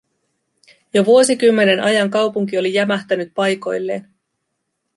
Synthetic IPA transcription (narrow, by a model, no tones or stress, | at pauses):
joʋuo̞sikymːe̞ne̞nʔɑjɑŋkɑwpuŋk̟io̞lijæmæht̪ænyt̪̚pɑjko̞jlːe̞ːn